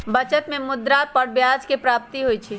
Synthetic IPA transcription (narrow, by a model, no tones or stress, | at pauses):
bət͡ʃət̪mẽmʊd̪ɾapəɾbjad͡ʒkepɾaːp̚t̪iɦojt͡ʃʰi